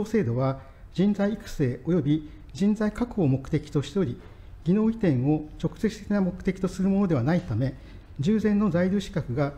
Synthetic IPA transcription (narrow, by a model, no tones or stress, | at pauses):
oːse̞ːd̪o̞βa | d͡ʑĩnzaiːkɯ̟̥se̞ːo̞jo̞bʲi | d͡ʑĩnzaikakɯːmo̞kɯ̟̥t̪e̞kʲi̥t̪o̞ɕi̥t̪oɾʲi | ɡʲino̞ːit̪ẽ̞ɰ̃o̞t͡ɕo̞kɯ̟̥se̞t͡sɨ̥t̪e̞kʲinamo̞kɯ̟t̪e̞kʲit̪o̞sɨɾɯ̟mo̞no̞d̪e̞βanait̪ame̞ | d͡ʑɨːzẽ̞nːo̞zaiɾʲɨːɕi̥kakɯ̟ɡa